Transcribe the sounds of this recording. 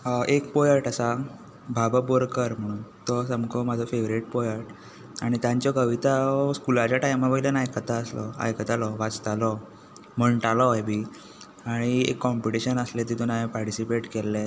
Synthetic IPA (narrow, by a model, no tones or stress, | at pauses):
ʔek̚pɔjəɾʈəsa | bʱabəboɾkəɾm̤əɽ̃uːnt̪ɔsəmkʰɔmad͡zʱɔfeʋɾiʈ̚pɔjəɾʈ | aɽ̃it̪jãɲt͡ɕjɔkəʋit̪askulat͡ɕaʈajmapəilənajkət̪aəslɔa̰jkət̪alɔʋat͡st̪alɔ | m̤əɳʈalɔjbi | aɽ̃iḛkːɔmpiʈiɕənəslet̪̬it̪onajapaɾʈisipeʈkelːɛ